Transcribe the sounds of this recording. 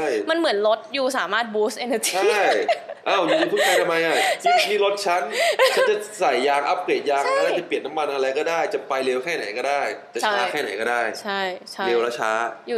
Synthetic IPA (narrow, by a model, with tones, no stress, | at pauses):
jma˧nmɯ˩˦nlo˦˥t̪̚juː˨˩saː˩˦maː˥˩t̪̚buː˦˥sʔe˧nə˧t͡ɕi˧a˧˩˥jʔaː˧˩wjuː˧u˧pʰu˥˩ka˧jt̪ʰa˧mːa˧jʔa˧˩˥t̪ʰiː˥˩lo˦˥t̪̚t͡ɕʰa˦˥n˩t͡ɕʰa˦˥nt͡ɕa˨˩sa˨˩jːaː˧ŋʔa˦˥p̚kleː˨˩t̪̚jaː˧ŋ˦˥˩naː˥˩t͡ɕa˨˩pli˨˩ət̪̚nːa˦˥mːa˧nʔa˧ɾa˧jkɔː˥˩daː˥˩jt͡ɕa˨˩pa˧jleː˧wkʰɛː˥˩na˨˩˦jkɔː˥˩daː˥˩jt͡ɕa˨˩˧aː˧˦˥kʰɛː˥˩na̰˨˩˦jkɔː˥˩daː˥˩jt͡ɕʰa˥˩jt͡ɕʰa˥leː˧wlɛ˦˥wt͡ɕʰaː˦˥juː˨˩